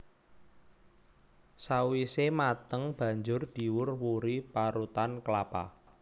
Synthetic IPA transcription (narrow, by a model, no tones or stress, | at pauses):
sawisemat̪əŋb̥a̤ɲd͡ʒʊrd̪̥i̤wʊrwuɾipaɾut̪ankəlapa̰